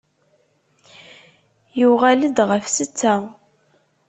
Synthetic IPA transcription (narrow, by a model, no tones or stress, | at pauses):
jʊʁæləd̪ʁəfsət͡sːæ